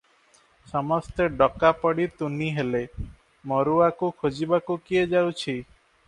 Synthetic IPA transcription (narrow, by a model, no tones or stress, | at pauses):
sɔmɔst̪eɖɔkapɔɽit̪uniɦele | mɔɾuakukʰod͡ʒibakukied͡ʒawt͡ʃʰi